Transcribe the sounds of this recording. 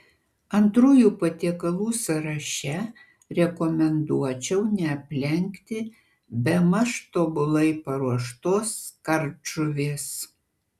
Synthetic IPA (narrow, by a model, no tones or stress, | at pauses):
ɐnt̪ɾuːjuːpɐt̪ʲiɛkɐlˠuːsɐɾɐʃʲɛ | ɾʲɛkɔmʲɛnd̪uɔt͡ʃʲɛʊnʲɛɐpʲlʲɛŋʲkt̪ʲɪ | bʲɛmɐʃt̪oːbʊlˠɐɪpɐɾuɔʃt̪oːskɐɾt͡ʃʊʋʲeːs